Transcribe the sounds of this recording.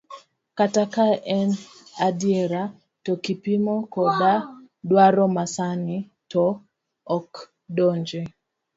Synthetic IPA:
katakaɛn | adiɛɾa | tɔkipimɔkɔda | dwaɾɔmasani | tɔː | k | dɔɲd͡ʒe

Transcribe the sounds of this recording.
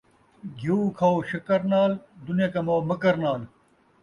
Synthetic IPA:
ɡʱjuːkʰɐoɕɐkɐɾnaːld̪unjekɐmoːmɐkɐɾnaːl

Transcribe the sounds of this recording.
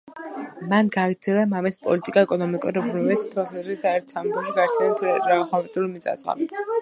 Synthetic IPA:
manɡaːɡɾd̪zɛlˠamamɛspʼɔ̰lit̪ʼikʼaɛkʼɔnɔmikʼṵɾɾɛpʰɔɾmɛbist̪ʰwɛlˠsazɾisd̪aɛɾt̪ʰsanɛɡɛʃiɡaɾt̪ʰɛnɛt̪ʰɾaχɔvɛt̪ʼulmisa̰zʁa̰li

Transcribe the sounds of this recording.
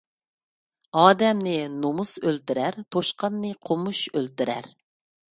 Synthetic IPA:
ɑːd̪ɛmnɪnomusølt̪yɾæɾt̪ʰoʃqɑnːɨqʰomuʃølt̪yɾæ̰ɾ

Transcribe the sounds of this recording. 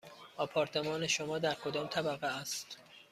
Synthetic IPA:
ɒːpʰɒːɾt̪ʰe̞mɒːneʃomɒːd̪æɾkʰod̪ɒːmt̪ʰæbæɣeæst̪

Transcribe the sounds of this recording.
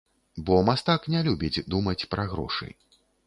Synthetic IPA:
bɔmast̪aknʲɛlʲubʲid͡zʲd̪umɐt͡sʲpɾaɣɾɔ̰ʂɨ̰j

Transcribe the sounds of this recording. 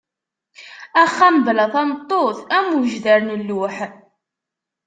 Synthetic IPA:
æχːæmblæθɑmt̪ˤːoθæmuʒðæɾnəlːuħ

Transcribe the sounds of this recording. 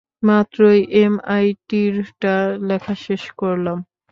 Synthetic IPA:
mat̪ɾojʔemajʈiɾʈalɛkʰaʃeʃkoɾlam

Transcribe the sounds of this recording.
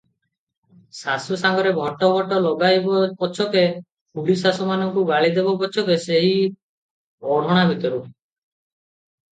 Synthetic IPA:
sasusaŋɡɔɾebʱɔʈɔbʱɔʈɔlɔɡajbɔbɔt͡ʃʰɔke | pulisasɔmanɔŋkubaɭid̪ebɔbɔt͡ʃʰɔkeseɦi | ɔɽ̤ɔɽ̃abʱit̪ɔɾu

